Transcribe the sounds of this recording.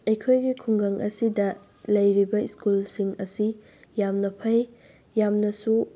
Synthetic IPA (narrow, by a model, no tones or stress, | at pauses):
ɐjkʰojɡikʰuŋɡɐŋʔɐ̰sidɐ | lɐjɾibɐiskulsiŋɐsi | jamnɐpʰɐj | jamnɐsu